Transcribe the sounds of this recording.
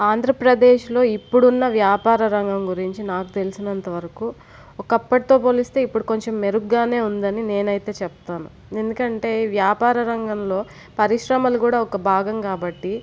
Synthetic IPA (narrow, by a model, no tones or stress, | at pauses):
aːnd̪ʱɾɐpɾɐd̪eːʃlo̞ːipːuɽunːɐʋjaːpaːɾɐɾɐŋɡɐmɡuɾiɲt͡ʃinaːkut̪e̞lisinɐnt̪ɐʋɐɾɐku | ɔkɐpːɐʈit̪o̞ːpo̞ːlist̪e̞ːipːuɽuko̞ɲt͡ʃe̞mːe̞ɾukɡaːne̞ːund̪ɐnine̞ːnɐjt̪e̞ːt͡ʃɛp̚t̪aːnṵ | e̞nd̪ukɐɳʈe̞ːʋjaːpaːɾɐɾɐŋɡɐmlo̞ː | pɐɾiʂɾɐmɐlukuːɽaːɔkɐbʱaːɡɐmkaːbɐʈːi